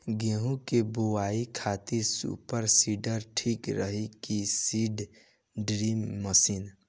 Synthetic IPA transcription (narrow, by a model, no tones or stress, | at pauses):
ɡeːɦũkebowaːikʰat̪iɾsṵpəɾsiːɖəɾʈʰiːkɾəɦikisiːɖ | ɖɾiːmːəsiːn